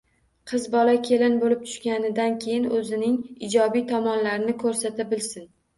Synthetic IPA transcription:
qʰɨzbɒlakʲʰe̞lɪnbolɪp̚t̪ʰʊ̥ʃkʲanɪd̪ankʲʰe̞jɪnɵzɪnɪŋɪd͡ʒɒbijt̪ʰɒmɒnlaɾɪnɪkʰɵɾsat̪abɪlsɪn

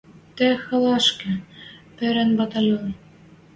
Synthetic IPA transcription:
t̪ĕxɤ̆lˠɑʃkɘ̆pɘ̆ɾæ̆nbɑt̪ɑlʲon

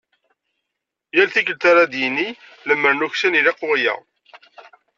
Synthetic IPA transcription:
jælθikəlt̪aɾad̪jənːi | ləmːəɾnuçsænilɑqʊʁjæ̰

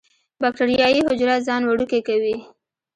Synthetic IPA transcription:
bɑk̚ʈaɾijɑjiɦʊd͡ʒɾat̪zɑnwaɽukekawi

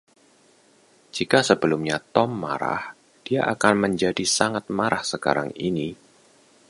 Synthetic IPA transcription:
d͡ʒikasəbəlʊmɲat̪ɔmːa̰ɾa̰h | d̥ia̰ʔakanməɲd͡ʒadisaŋat̪̚maɾahsəka̰ɾa̰ŋini

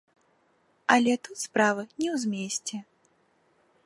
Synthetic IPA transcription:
ɐlʲɛt̪ut̪spɾavɨnʲɛwzʲmʲesʲt͡sʲɛ

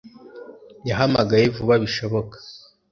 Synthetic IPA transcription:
jaɦamaɡajevuβaβiʃo̞βo̞kḁ

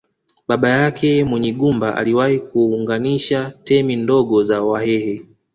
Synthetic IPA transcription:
ɓaɓajakʰɛmwɛɲiɠumbaʔa̰liwahikuːŋɡaniʃatɛmindɔɠɔzawahɛhɛ

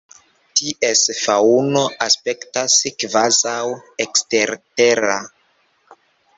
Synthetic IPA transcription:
tiʔesfauno̞ʔaspe̞ktaskvazawekste̞ɾte̞ɾa

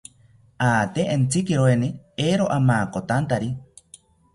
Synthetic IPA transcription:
aːt̪eent͡sʰikiɾoenieɾoʔamaːkot̪ant̪aɾi

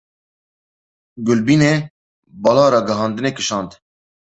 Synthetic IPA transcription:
ɡʊlbiːneː | bɑːlɑːɾɑːɡɛɦɑːnd̪ɨneːkɨʃɑːnd̪

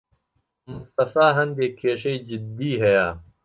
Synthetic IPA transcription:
mʊst̪ɐfaːɦɐnd̪eːkʰeːʂejd͡ʑɪd̪iːɦɐjaː

